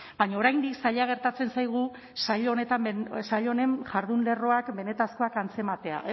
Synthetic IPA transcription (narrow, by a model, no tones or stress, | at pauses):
baɲaoɾajnd̪iksaʎaɣ̞e̞ɾt̪at͡se̞nsajɣ̞u | saʎone̞t̪amesaʎo̞ne̞nʝaɾðunle̞ro̞akbe̞ne̞t̪asko̞akant͡se̞mat̪e̞a̰